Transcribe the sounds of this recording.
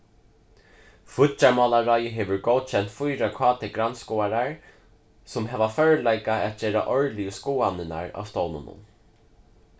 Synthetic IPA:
fʊt͡ʃaɹmɔːlaɹɔjəɦeːʋʊɹɡowd̪̥ɕɛnt̪fʊjɾakʰɔːt̪ʰɪɡɾanskɔːaɾaɹ | sʊmɦɛːvafœɹlajkaæt̪̚d͡ʒɛːɾa̰ʔɔɹlijəskuːanːɪna̰ɹa̰ːwst̪ownʊ̰nʊ̰n

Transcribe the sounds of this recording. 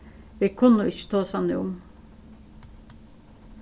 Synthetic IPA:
ʋiːkʰʉnːəɪçə̥t̪ʰoːsɑnɪʊm

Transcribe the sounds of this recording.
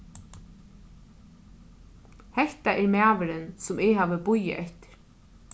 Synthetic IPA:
hɛht̪aʔɛɾmæːʋɪɾɪnsʊmɪɣɦaːʋəbʊjɪ̰ʔɛht̪ɪ̥ɾ̥

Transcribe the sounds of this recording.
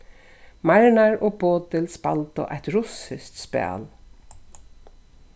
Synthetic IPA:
maɹɳaɹʔoːboːt̪ɪlspalt̪ʊ̰ʔajt̪ɾʊsɪst̪spæ̰ːl

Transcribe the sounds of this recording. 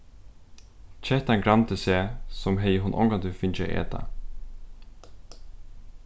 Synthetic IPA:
t͡ʃʰɛht̪aŋɡɾant̪əsɛːsɔmɦɛjəɦʊnʔɔ̰ŋɡant̪ʏfɪnt͡ʃa̰ʔɛ̰ːt̪a̰

